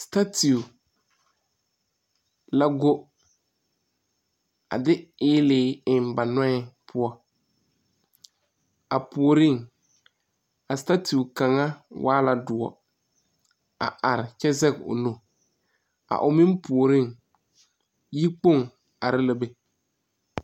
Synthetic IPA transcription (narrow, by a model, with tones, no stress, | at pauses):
sta˦tʰi˨u˨ | la˦ɡo˦ | a̰˨dɪ˦ɪː˦lɪː˨˦ɪ˨mba˨nɔ˦ɛ˦pʰʊ˦ɔ˦ | a˨pu˨o˨ɾɪ˦˨ŋ | a˨sta˦ti˨ka˨ŋa˦wʔaː˦la˨dʊ˨ɔ̰˨ | a̰˨ʔa˨ɾɪ˨t͡ʃɛ˦zɛ˦kʊ̰˨no˨ | a̰˨ʔʊ˨mɪ̃˦mpu˨o˨ɾɪ˦ŋ | ji˦k͡po˦˨ŋ | a˨ɾɪ˦la˦be˨